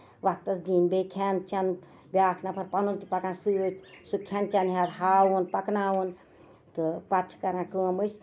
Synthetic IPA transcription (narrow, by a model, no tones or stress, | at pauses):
ʋɐk̚t̪ɐsd̪iːnbeːkʰant͡ʃɐn | bʲjaːkʰnɐpʰɐɾpɐnunt̪ipɐkãːnsɨʋɨt̪ʰsukʰɐnt͡ʃɐnɦaɾhaːʋunpɐknaːʋun | t̪ɨpɐt͡ʃʰkɐɾãːkəːmɨs